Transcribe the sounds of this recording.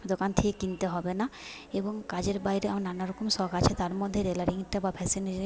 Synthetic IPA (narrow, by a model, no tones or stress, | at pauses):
d̪okant̪ʰekekint̪eɦɔbena | eboŋkad͡ʑeɾbajɾeamananaɾɔkomʃɔɡat͡ɕʰet̪aɾmɔd̪ʱːeɾelaɾɦiŋʈːabapʰɛsine